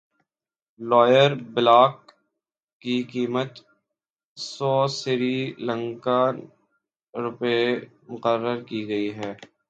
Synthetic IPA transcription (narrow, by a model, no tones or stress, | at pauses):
lɔːjəɾbɪlaːkː | ikiːmət̪ | sɔːsɪɾilə̃ŋka | ɾʊpe | mʊqəɾːəɾkiɡɐiɦɛː